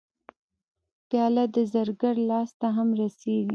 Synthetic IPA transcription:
pjɑlad̪əzaɾɡaɽlɑst̪aɦamɾaseɡi

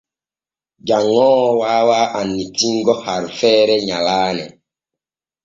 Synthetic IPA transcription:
ɟaŋɔ̃ːwawaːʔanːitiŋɡɔhaɾfɛɾɛɲalaːnɛ̰

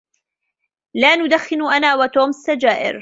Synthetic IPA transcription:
laːnʊd̪axːɪnʔanaːwat̪oːmɪsːad͡ʒaːʔɪ̰ɾ

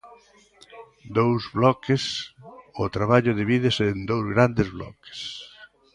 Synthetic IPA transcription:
d̪owzβlɔkɪsʊt̪ɾaβaʎʊðiβiðɪsend̪owzɣɾand̪ezβlɔ̰ke̥s

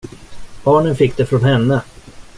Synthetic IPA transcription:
b̥ɑːɳənfɪkːd̪ɛfɾɔnhɛnːə

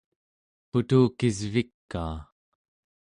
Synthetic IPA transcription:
put̪uːkizvikːa̰ː

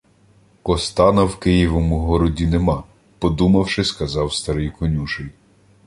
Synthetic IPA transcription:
kɔst̪ɑnɐwkɪjiʋɔmʊɦɔɾɔdʲinemɑ | pɔd̪umɐwʃɪskɐzɑwst̪ɐɾɪjkɔnʲuʒɪj

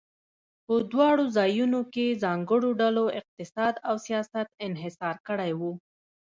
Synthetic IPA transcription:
pəd̪wɑɽozɑjunokezɑŋɡəɽoɖaloɪq̚t̪ɪsɑd̪awsijɑsat̪ɪnɦɪsɑɾkəɽajwu

